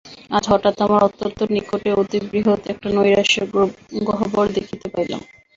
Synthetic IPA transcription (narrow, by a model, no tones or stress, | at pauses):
ad͡ʑɦɔʈat̪amaɾɔt̪ːont̪onikoʈeot̪ibɾiɦot̪ɛk̚ʈanojɾaʃeɡoɦobɔɾd̪ekʰit̪epaɾjla̰m